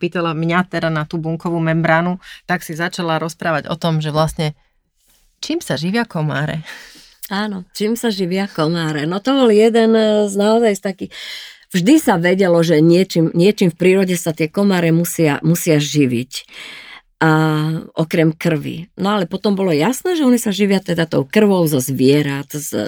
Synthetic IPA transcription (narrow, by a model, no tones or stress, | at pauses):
piːt̪alamɲat̪ɛdanat̪uːbuŋkɔʋuːmɛmbɾaːnut̪aksizat͡ʃalaɾɔspɾaːʋaɟɔ̰t̪ɔmʒɛʋlasɲɛ | t͡ʃiːmsaʒiʋɪakɔma̰ːɾɛ̰ | aːnɔt͡ʃiːmsaʒiʋɪakɔmaːɾɛnɔt̪ɔbɔljɛd̪ɛnznaɔzajst̪akix | vʒd̪isaʋɛɟɛlɔʒɛɲɪɛt͡ʃimɲɪɛt͡ʃimfpɾiːɾɔɟɛsat̪ɪɛkɔmaːɾɛmusɪamusɪaʒiʋic | ʔɔkɾɛmkr̩ʋḭnɔalɛpɔt̪ɔmbɔlɔjasnɛːʒɛɔnisaʒiʋɪat̪ɛd̪at̪ɔʊkr̩ʋɔʊzɔzʋɪɛɾat̪z